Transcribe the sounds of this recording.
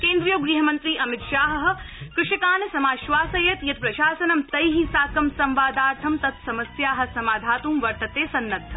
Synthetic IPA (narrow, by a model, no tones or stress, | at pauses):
keːnd̪ɾijoɡɾiːɦɐmɐnt̪ɾiːʔɐmɪt̪ʃaːɦɐɦɐ̆kɾɪʂɐkaːnɐsɐmaːʃʋaːsɐjɐt̪jɐt̪̚pɾɐʃaːsɐnɐmt̪ɐjɦisaːkɐmsɐmʋaːd̪aːɾt̪ʰɐmt̪ɐt̪sɐmɐsjaːɦɐ̆sɐmaːd̪ʱaːt̪uːmʋɐɾt̪ɐt̪eːsɐnːɐt̪ʰːɐ